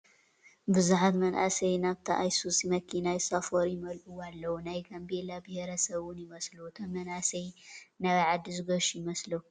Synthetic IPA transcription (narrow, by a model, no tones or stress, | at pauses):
bɨzuħat̪mɐnʔa̰sɐjnaβt̪ʰɐʔajsusimɐkʰinajsafoɾjɪmɐlʔuwalːɐwunajkʰɐmbelabɨheɾɐsɐβʊnjɪmɐslut̪ʰɐmɐnasɐjnɐβɐʕad̪izɨɡɐʃujɪmɐslɐ